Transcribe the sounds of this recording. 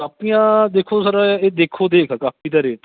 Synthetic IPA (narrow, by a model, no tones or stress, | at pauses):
aːpijãːd̪eːkʰoːsəɾaːeːd̪eːkʰoːd̪eːkʰːkaːpʰiːt̪əɾeːt̪ː